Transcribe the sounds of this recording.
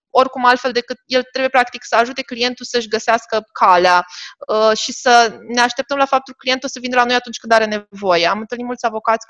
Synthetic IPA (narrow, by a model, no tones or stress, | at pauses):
o̞rkumalt̪fe̞ld̪e̞kɨt̪je̞lt̪ɾebujepɾakt̪iksəaʒut̪e̞klije̞nt̪usəɨʃʲɡəseaskəkʰaleaəʃisəne̞aʃt̪e̞p̚t̪əmlafap̚t̪ulkəklije̞nt̪ulsəvinelano̞jat̪unt͡ʃʲkɨnd̪aɾe̞ne̞vo̞je̞amɨnt̪əlnit̪mult̪sʲavo̞kat̪sʲ